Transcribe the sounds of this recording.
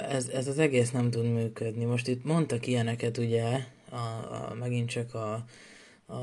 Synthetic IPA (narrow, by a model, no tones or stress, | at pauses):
ɛzɛzɒzɛɡeːsnɛmt̪ud̪myːkød̪nimo̞ʃt̪it̪mo̞nt̪ɒkijɛnɛkɛt̪uɟɛ | ɒ̰mɛɡint̪t͡ʃɒkɒ